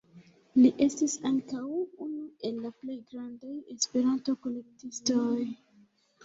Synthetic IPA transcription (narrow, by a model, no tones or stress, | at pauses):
liʔe̞stisaŋkawunue̞lːaple̞jɡɾandaje̞spe̞ɾanto̞ko̞le̞k̚tistoj